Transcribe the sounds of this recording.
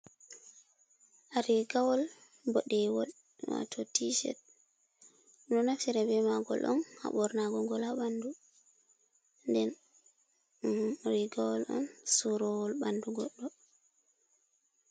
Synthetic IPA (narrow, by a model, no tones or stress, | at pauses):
ʔaɾiɡawɔl | bɔɗɛwɔl | wa̰tʰɔtiʃɛ̰t | ɗɔnafsiɾɛbɛmaɡɔ̰lʔɔ̰nha̰ɓɔɾnaɡɔɡɔlaɓandu | ndɛn | ɾiɡawɔlɔ̰nsuɾɔwɔlbanduɡɔɗːɔ